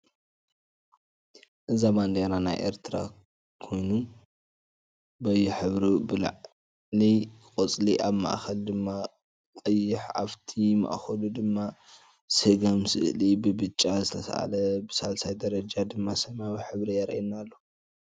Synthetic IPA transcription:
ʔɨzamand̪enana̰jʔḛɾt̪ʰɾa̰ | kʰo̞jnu | bɐjuħɨβɾibɨl̰ʕ | likʼot͡sʼliʔaβma̰ʔxɐld̪ɨmːa | kʼɐjːɪħa̰βt̪ʰima̰ʔxɐlud̪ɨmːa | seɡamsɨʔlibɨbɨt͡ʃʼːazɨt̪ʰɐsa̰ʔa̰lɐbɨsalsajd̪ɐɾɐd͡ʒad̪ɨmːasɐmawiħɨβɾijɐɾinalːo̞

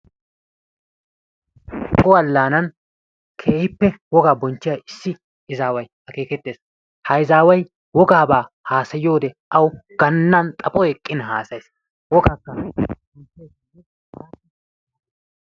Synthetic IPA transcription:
kʼʊɐlːaːnɐn | kʰe̞ːhɪpːɛwɔɡaːbɔnt͡ʃːɪjaɪsːɪ | ɪzaːwɐjhɐke̞ːkɛt̪ːe̞ːs | hɐjzaːwɐj | wɔɡaːbaː | haːsɐjːo̞ːd̪ɛʔɐwɡ̥ɐnːɐnt̪ʼɐpʼɔɛkʼːɪnɦa̰ːsɐjs | wɔɡaːkːɐbɔnt͡ʃː | aː

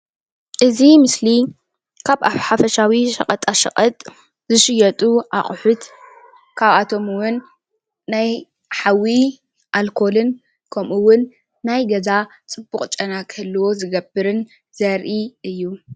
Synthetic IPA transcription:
ʔɨzimɨsli | kʰaβaħafɐʃawiʃɐ̰qʼɐt̪ʼaʃɐ̰χʼɐt̪ʼ | zɨʃɪjɐt̪ʼuʔa̰χʼʊħʊt̪ | kʰaβat̪ʰo̞mwʊnː | aj | ħawi | ʔalkʰo̞lɨn | kʰɐmʔuwʊnː | ajɡɐza | t͡sʼɨbːuχʼt͡ʃʼɐnakʰɨlːɐwo̞zɨɡɐbɨɾɨn | zɐɾʔiʔɨjːu

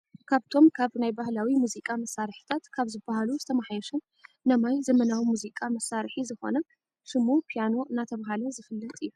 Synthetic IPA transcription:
kʰaβt̪ʰo̞mkʰaβnajbahlawimuzikʼamɐsːaɾħi̥t̪ʰat̪kʰaβzɨbːahaluzɨt̪ʰɐmaħjɛʃɐnː | ɐmajzɐmɐnawimuzikʼamɐsaɾħizɨxo̞̰nɐ | ʃɨmupʰijano̞ɨnat̪ʰɐβɦalozɨfɨlːɐt̪ʼɨjːu

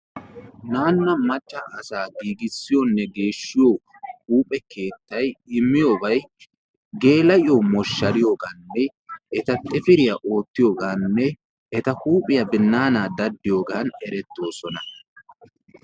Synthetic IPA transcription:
naːnːɐmɐt͡ʃʼːɐʔɐsaːɡiːɡɪsːɪjonːɛɡe̞ːʃːɪjoː | huːpʼɛke̞ːt̪ːɐjɪmːɪjobɐj | ɡe̞ːlɐjɪjoːmɔʃːɐɾɪjo̞ːɡaːnːɛ | ʔɛt̪ɐt̪ʼɪfɪɾɪjɐʔo̞ːt̪ːɪjoːɡaːnːɛ | ʔɛt̪ɐhuːpʼːɪjɐbɪnːaːnaːd̪ɐd̪ːɪjo̞ːɡaːnɛɾɛt̪ːo̞ːsɔnɐ

